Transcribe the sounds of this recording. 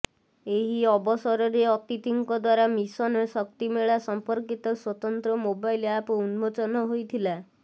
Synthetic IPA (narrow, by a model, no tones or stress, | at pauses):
eɦiɔbɔsɔɾɔɾeɔt̪it̪iŋkɔd̪waɾamisɔnesɔkt̪imeɭasɔmpɔɾkit̪ɔswɔt̪ɔnt̪ɾɔmobailapunmot͡ʃɔnɔɦojt̪ʰila